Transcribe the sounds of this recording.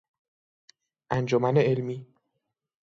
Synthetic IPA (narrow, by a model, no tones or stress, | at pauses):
ʔænd͡ʒomæneelmiː